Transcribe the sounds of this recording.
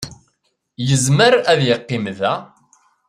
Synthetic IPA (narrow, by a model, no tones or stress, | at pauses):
jəzməɾæðjɪqːɪmðæ